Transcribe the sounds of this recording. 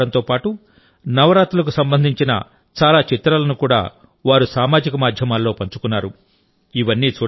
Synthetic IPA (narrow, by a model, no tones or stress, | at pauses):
ɐnt̪o̞ːpaːʈu | nɐʋɐɾaːt̪ulɐk̬usɐmbɐnd̪ʱiɲt͡ʃinɐ̰ | t͡ʃaːlaːt͡ʃit̪ɾɐlɐnukuːɽa̰ː | ʋaːɾusaːmaːd͡ʒikɐmaːd̪ʱjɐmaːlːo̞ːpɐɲt͡ʃukunːaːɾu | iʋɐnːiːt͡ʃuː